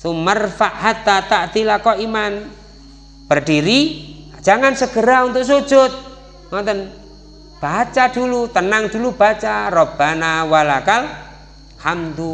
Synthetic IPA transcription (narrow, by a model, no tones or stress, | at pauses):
somərfaʔhat̪ːat̪aʔd̪ilakɔʔiman | b̥ərɖiɾi̥ | d͡ʒʒ̥aŋansəɡ̥əɾaunt̪ʊʔs̬o̥d͡ʒ̥ʊt̪̚ | ŋɔnt̪ən | b̥at͡ʃadulut̪ənaŋd̥ulub̥at͡ʃarɔb̥anawalakal | hamt̪u